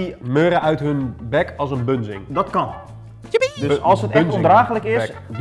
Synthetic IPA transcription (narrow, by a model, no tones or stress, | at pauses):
imøːɾəœɥtɦønbɛkʰɔlˠsənbønzɪ̰ŋdɔtkɑn | dɔlˠsətɛnondraːxələkɪs